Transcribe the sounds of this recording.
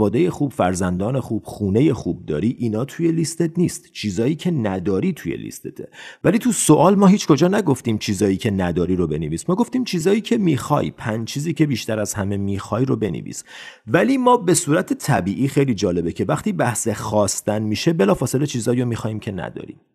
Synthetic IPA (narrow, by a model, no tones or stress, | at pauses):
vɒːd̪eje̞xuːbfæɾzænd̪ɒːne̞xuːb̥χuːne̞je̞xuːb̚d̪ɒ̰ːɾiːʔinɒːt̪ʰuje̞list̪et̪ʰniːst̪t͡ʃʰiːzɒːjiːcʰe̞næd̪ɒːɾiːt̪ʰujḛlḭst̪ʰet̪ʰḛvæliːt̪ʰuso̞ʔɒːlmɒːɦiːt͡ʃʰko̞d͡ʒɒːnæɡo̞ft̪iːmt͡ʃʰiːzɒːjiːcʰe̞næd̪ɒːɾiːɾobe̞neviːsmɒːɡo̞ft̪iːmt͡ʃʰiːzɒːjiːcʰe̞miːxɒ̰jpʰænt͡ʃʰiːziːcʰe̞biːʃt̪æɾæzhæme̞miːxɒːjɾobe̞nḛvḭːs | væliːmɒːbe̞suːɾæt̪ʰet̪ʰæbiːʔiːxe̞jliːd͡ʒɒːle̞becʰe̞væχt̪iːbæhsexɒːst̪ænmiːʃe̞be̞lɒːfɒːse̞le̞t͡ʃʰiːzɒːjomiːxɒːhiːmcʰe̞næ̰d̪ɒ̰ːɾḭm